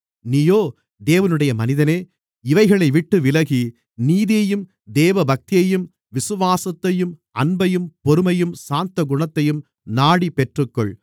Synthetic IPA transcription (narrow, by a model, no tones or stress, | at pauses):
nijoː | d̪eːʋɐnɯɽɐjɐmɐnɪðɐneː | ɪʋɐɪɣɐɭɐɪʋɪʈːɯʋɪlɐɣi | niːðeːjɯm | d̪eːʋɐbɐk̚t̪ɪjɐjɯm | ʋɪsɯʋaːsɐt̪ːɐjɯm | ɐnbɐjɯmpɔɾɯmɐjɯmsaːnt̪ɐɡʊɳɐt̪ːɐjɯm | naːɽipɛʈrɯkːɔɭ